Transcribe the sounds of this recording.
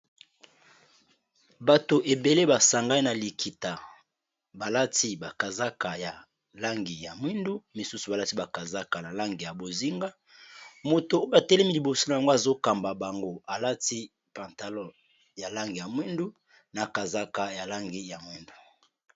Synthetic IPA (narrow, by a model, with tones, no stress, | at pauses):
ba˨to˨ʔe˨be˨le˦ba˨sa˨ŋɡa˦i˦na˨li˨kʰi˨ta˨ | ba˨la˦ti˦ba˨ka˨za˦ka˨ja˨ | la˦ŋɡi˨ja˨mwi˦ndu˦mi˨su˦su˨ba˨la˦ti˦ba˨ka˨za˦ka˨na˨la˦ŋɡi˨ja˨bo˨zi˦ŋɡa˦ | mo˨to˨o˦a˨tɛ˦lɛ˦mi˦li˨bo˨so˦na˨ja˨ŋɡo˦a˨zo˦ka˨mba˨ba˨ŋɡo˦a˨la˦ti˦ | pa˨nta˨lɔ̃˦ | ja˨la˦ŋɡi˨ja˨mwi˦ndu˦ | na˨ka˨za˦ka˨ja˨la˦ŋɡi˦ja˨mwi˦ndu˨